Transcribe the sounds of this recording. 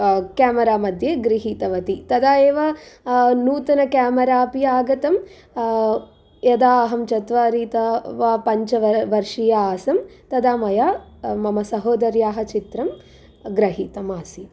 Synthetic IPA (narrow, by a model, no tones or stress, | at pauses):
kaːmɐɾaːmɐd̪ʱjeːɡɾiɦiːt̪ɐʋɐt̪it̪ɐd̪aːeːʋɐ | nuːt̪ɐnɐkaːmɐɾaːpijaːɡɐt̪ɐm | jɐd̪aːɐɦɐmt͡ʃɐt̪ʋaːɾiːt̪ɐʋaːpɐɲt͡ʃɐʋɐʋɐɾʂijaaːsɐmt̪ɐd̪aːmɐjaːmɐmɐsɐɦoːd̪ɐɾjaːɦɐ̆t͡ʃit̪ɾɐm | ɡɾɐɦiːt̪ɐmaːsi